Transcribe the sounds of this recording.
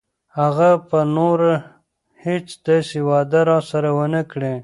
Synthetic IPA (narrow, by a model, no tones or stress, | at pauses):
haɣapənoɾ | het͡sd̪ɑsiwɑd̪əɾɑsaɾawənəkɽe